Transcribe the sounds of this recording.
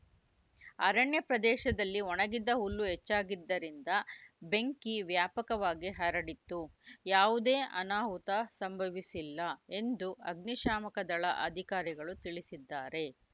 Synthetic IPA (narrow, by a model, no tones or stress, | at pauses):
ɐɾɐɳjɐpɾɐd̪ɛːʃɐd̪ɐlːiɔnɐɡid̪ːɐɦulːuɦet͡ʃːaːɡid̪ːɐɾind̪ɐbe̞ŋkiʋjaːpɐkɐʋaːɡiɦɐɾɐɽit̪ːujaːʋud̪eːʔɐnaːɦut̪ɐsɐmbʱɐʋisilːɐe̞nd̪uɐɡ̚niʃaːmɐkɐd̪ɐɭɐʔɐd̪ʱikaːɾiɡɐɭut̪iɭisid̪ːaːɾe̞